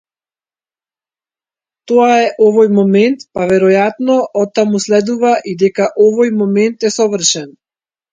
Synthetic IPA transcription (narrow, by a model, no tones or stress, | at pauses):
t̪ɔaɛʔɔvɔjmɔmɛnt̪pavɛɾɔjat̪nɔʔɔt̪ːamuslɛd̪uvaʔid̪ɛkaʔɔvɔjmɔmɛnt̪ɛsɔvr̩ʃɛn